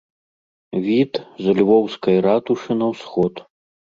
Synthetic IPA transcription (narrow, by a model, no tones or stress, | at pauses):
vʲit̪zlʲvɔwskɐjɾat̪uʂɨnɐwsxɔt̪